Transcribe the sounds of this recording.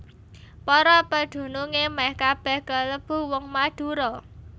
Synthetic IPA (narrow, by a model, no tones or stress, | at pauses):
pɔɾɔpəd̪̥ṳnuŋemahkab̥ɛhkələb̥ṳwɔŋmad̪̥ṳɾɔ